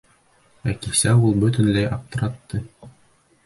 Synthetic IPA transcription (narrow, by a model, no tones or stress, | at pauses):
ækisæulˠbɵ̆t̪ɘ̆nlæjɑp̚t̪ɤ̆ɾɑt̪ːɤ